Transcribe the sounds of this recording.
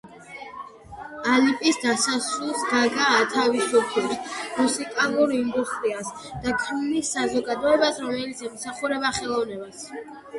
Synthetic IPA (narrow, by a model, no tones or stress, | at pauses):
alipʼisd̪asasulˠsɡaɡaːt̪ʰavisɔpʰismusikʼalˠuɾind̪ust̪ʼɾias | d̪̥akʰɾunisːazɔɡad̪ɔɛbasɾɔmɛlit̪sʰɛmsaχuɾɛbaχɛlˠɔvnɛbas